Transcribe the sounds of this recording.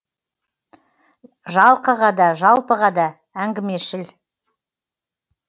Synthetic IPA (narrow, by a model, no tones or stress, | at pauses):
ʒɑlˠqəʁɑd̪ɑʒɑlˠpəʁɑd̪ɑ | æŋɡʲɪme̞ʃɪl